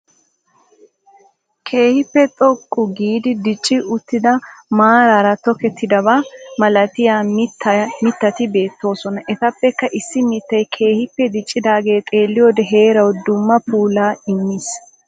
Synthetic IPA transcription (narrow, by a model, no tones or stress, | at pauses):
kʰe̞ːhɪpːɛt̪ʼɔkʼːʊɡiːd̪ɪd̪ɪt͡ʃʼːɪʊt̪ːɪd̪ɐmaːɾaɾɐt̪ɔkɛt̪ʰːɪd̪ɐbaːmɐlɐt̪ɪjaːmɪt̪ːɐmɪt̪ːɐt̪ɪbe̞ːt̪ːo̞ːsɔnɐʔɛt̪ɐpːɛkːɐʔɪsːɪmɪt̪ːɐjkʰe̞ːhɪpːɛd̪ɪt͡ʃʼːɪd̪aːɡe̞ːt̪ʼe̞ːlːɪjoːd̪ɛɦe̞ːɾɐwd̪ʊmːɐpuːlaːɪmːis